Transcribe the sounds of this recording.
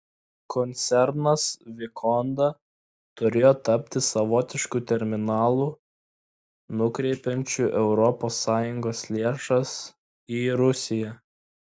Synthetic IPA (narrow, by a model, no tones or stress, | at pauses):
kʰɔnʲt̪sʲɛɾnɐsʋʲɪkʰɔnd̪ɐ | t̪ʊɾʲeːjot̪ɐpʲt̪ʲɪsɐʋɔt̪ʲɪʃkuːt̪ʲɛɾʲmʲɪnɑːlˠuː | nʊkɾʲɛɪpʲɛnʲt͡ʃʲuːʔɛʊɾɔpoːsːɑːjʊŋɡoːslʲeːʃɐs | iːɾʊsʲɪjæ